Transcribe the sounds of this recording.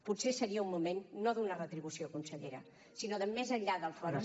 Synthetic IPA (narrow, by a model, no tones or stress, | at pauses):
putsesəɾiəumːumenːoðunərət̪ɾiβ̞usiokunsəʎeɾə | sinoðəmezəʎʎaðəlˠfɔə